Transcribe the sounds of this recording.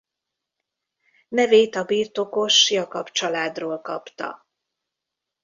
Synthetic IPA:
nɛveːt̪ɒbiːrt̪o̞ko̞ʃjɒkɒpt͡ʃɒlaːd̪roːlkɒ̰pt̪ɒ̰

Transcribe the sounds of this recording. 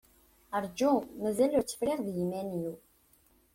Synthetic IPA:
əɾˤd͡ʒumæzælʊɾt͡sːə̥fɾiʁðjəmːæniw

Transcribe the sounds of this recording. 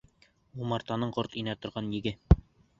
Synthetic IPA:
umɑɾt̪ɑnɤɴqoɾt̪inæt̪ŏɾʁɑnjɘ̆ɡɘ

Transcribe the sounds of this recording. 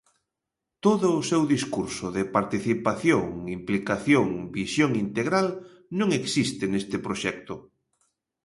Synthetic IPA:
t̪oðʊːsɛwðiskuɾsʊðɪpaɾt̪iθipaθjoŋimplikaθjoŋbisjoŋint̪eɣɾal | nõŋeksist̪ɪnest̪ɪpɾoʃɛk̚t̪ʊ

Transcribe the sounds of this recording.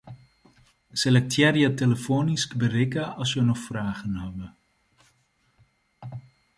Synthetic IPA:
selɛk̚tʰjɛrjəteləfoːniskbərɪkəɑsjənɔxfraːɣənɦabə

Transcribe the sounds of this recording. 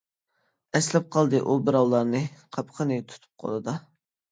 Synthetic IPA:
ɛslɛp̚qʰɑlˠd̪ɨʔubɨɾɑwlˠɑɾnɨqʰɑpqʰənɨt̪ʰu̥t̪ʰu̥p̚qʰɑ̰lˠɨd̪ɑ

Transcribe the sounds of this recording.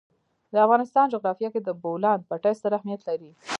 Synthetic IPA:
d̪əafɣɑnɪst̪ɑnd͡ʒoɣɾɑfjɑked̪əbolɑnd̪̚paʈajsaɾahmijat̪laɾi

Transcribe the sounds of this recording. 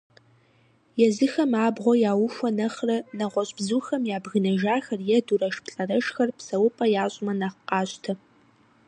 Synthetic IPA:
jɛzɨxɐmaːbʁʷɔjaːwʊfʷɐnɐχrɐnɐʁʷɔɕʼbzuːxɐmjaːbɣɨnɐʒaːxɐrjɛdurɐʃpɬʼɐrɐʃxɐrpsɐwʊpʼɐjaːɕʼɪmɐnɐqqɑːɕtʰɐ

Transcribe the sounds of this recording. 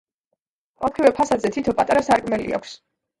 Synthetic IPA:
ɔpχivɛpʰasad̪zɛt̪ʰit̪ʰɔpʼat̪ʼaɾasaɾkʼmɛlḭa̰kʰs

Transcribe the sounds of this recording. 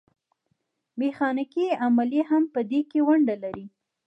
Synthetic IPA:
mexɑnɪkiamaljeɦampəd̪ekewaɳɖalaɾi

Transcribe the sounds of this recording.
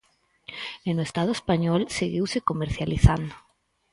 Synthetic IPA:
enoest̪að̞oespaɲɔlseɣiwsekomeɾθjaliθand̪o

